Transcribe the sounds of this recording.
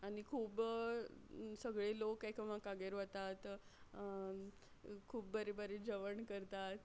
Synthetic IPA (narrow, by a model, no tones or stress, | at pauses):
aɽ̃ikʰuːp | səɡɭelokːajkʰamakaɡeɾʋət̪at̪ | kʰuːp̚bəɾebəɾed͡ʑəʋəɳkəɾt̪at̪